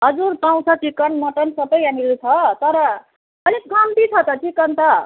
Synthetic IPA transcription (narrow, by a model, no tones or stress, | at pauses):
ɦʌd͡zuɾpãw̃t͡sʰʌt͡sikʌnmʌʈʌnsʌbʌjɦamilut͡sʰʌt̪ʌɾʌ | ʌleɡamt̪it͡sʰʌt̪ʌtʰikʌnt̪ʌ